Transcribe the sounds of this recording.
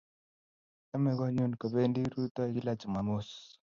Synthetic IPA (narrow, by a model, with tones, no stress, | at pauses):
ɛ˦mɛ˦ɣɔ˦ɲu˦n˨ko˨βe˦ndi˦ɾu˦t̪ɔ˦˨ɣi˦la˦t͡ʃu˨ma˨mo˦s